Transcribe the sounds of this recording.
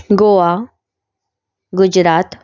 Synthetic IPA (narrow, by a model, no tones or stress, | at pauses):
ɡoʋa | ɡud͡ʑɾat̪